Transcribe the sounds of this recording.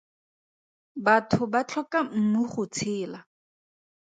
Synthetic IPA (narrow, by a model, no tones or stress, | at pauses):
batʰʊbat͡ɬʰɔkam̩nʊχʊt͡sʰɪːla